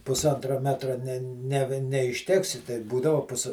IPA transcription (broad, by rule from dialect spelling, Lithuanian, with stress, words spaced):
pʊsˈɐntrɐ ˈmʲæːtrɐ nʲɛ nʲɛ nʲɛɪʃʲˈtʲæːksʲɪ tɐɪ ˈbuːdɐʋoː ˈpʊs